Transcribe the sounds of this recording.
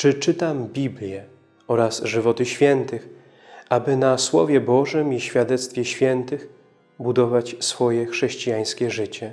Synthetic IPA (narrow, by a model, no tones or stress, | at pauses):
t͡ʂɘt͡ʂɘt̪ambʲiblʲjɛ | ɔɾasʐɘvɔt̪ɘɕfʲjɛnt̪ɘx | abɘnaswɔ̰vʲjɛbɔʐɛmiɕfʲjad̪ɛt̪st̪fʲjɛɕfʲjɛnt̪ɘx | bud̪ɔvat͡ɕsfɔjɛxʂɛɕt͡ɕijaj̃skʲɛʐɘt͡ɕɛ